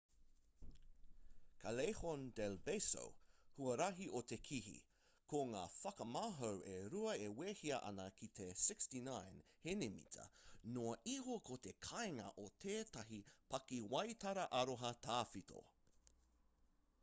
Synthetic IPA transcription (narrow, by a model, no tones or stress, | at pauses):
kʰɐlejhondɛlbeso̰whuɐɾɐɦiʔot̪ekʰiɦḭ | koŋa̰ːfɐkɐmaːɦowʔeɾuɐeweːhiɐʔɐ̰nɐkʰit̪ʰesɪkstinãjnhenemḭtʰɐ̰noɐʔiɦokʰot̪ekʰaeŋɐ̰ʔot̪ʰeːt̪ɐɦipɐkiwɐjtɐɾɐʔɐɾoɦɐtʰaːfitʰo̰